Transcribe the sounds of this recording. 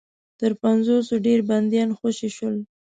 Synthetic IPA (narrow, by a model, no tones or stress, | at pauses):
t̪əɾpanzosoɖeɾband̪jɑnxoʃiʃəl